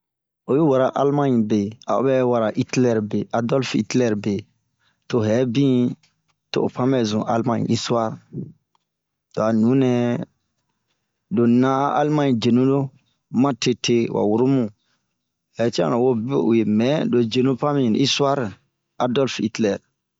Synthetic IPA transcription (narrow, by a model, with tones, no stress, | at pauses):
o˨ju˦wa˨ɾa˨ʔa˦lmã˦ɲĩ˨be˨a̰˨o̰˦bɛ˦wa˨ɾa˨ʔi˦tlɛ˦ɾbe˨ʔa˨dɔ˦lfḭ˦tlɛ˨ɾbe˨ | to˨ɦɛ˨˦bĩ˦ | to̰˨o̰˨pã˦mɛ˨zũ˨ʔa̰˦lmã˦˨ɲḭ̃˨ʔi˦sa˦ɾ | to˨a˨nũ˨˦nɛ̃˨ | do˨nã˦ʔa̰˦lmã˦ɲĩ˨d͡ʒe˨nũ˦lo˦ | mã˦te˨te˦wʔa̰˨wu˨ɾu˦mũ˨ | hɛ˨˦ti˦ã̰˦nã˨wo˦bo̰˨je˨mɛ̃˦do˨d͡ʒe˨nũ˦pã˦mĩ˦˨i˦su˦a˦ɾ | a˨dɔ˦lfi˦tlɛ˨ɾ